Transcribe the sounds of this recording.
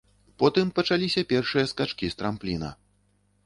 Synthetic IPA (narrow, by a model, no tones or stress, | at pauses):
pɔt̪ɨmpɐt͡ʂalʲisʲɐpʲɛrʂɨjɐskat͡ʂkʲist̪ɾamplʲinɐ̰